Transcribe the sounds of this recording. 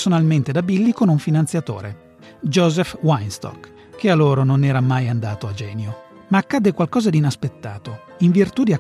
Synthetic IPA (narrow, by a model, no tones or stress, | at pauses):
sonalment̪ed̪abilːikonuɱfinant̪sjat̪o̰ːɾe | d͡ʒɔːzɛfwajnst̪ɔ̰k | kːealːoːɾononɛːɾamajand̪aːt̪oad͡ʒɛːnjo | maːkːad̪ːekwalkɔːzad̪iːnaspet̪ːaːt̪o | iɱvirt̪ud̪ia